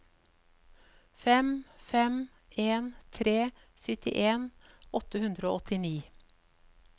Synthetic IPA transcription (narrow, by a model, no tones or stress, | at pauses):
fɛmfɛm | eːnt̪ʰɾeː | sʏt̪ɪ̰ʔeːn | ɔt̪əhʉnd̪ɾoːɔt̪ɪniː